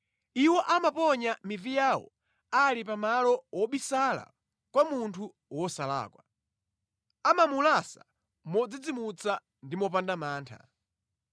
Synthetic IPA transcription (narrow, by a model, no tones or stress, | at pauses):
iwɔʔamapɔɲamivijawɔ̰ | alipamalɔwɔɓisala̰ | kwamuntʰu | wɔsala̰ːkwa | amamulasa | mɔd͡zid͡zimut͡sa | ndimɔp̬andamaːntʰa̰